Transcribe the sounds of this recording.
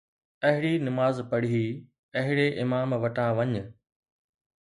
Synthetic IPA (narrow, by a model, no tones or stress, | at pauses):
ɐɦɪɽinɪmaːzpɐɽiɦi | ɐɦɪɽeʔɪmaːmʋɐʈãʋɐɲ̆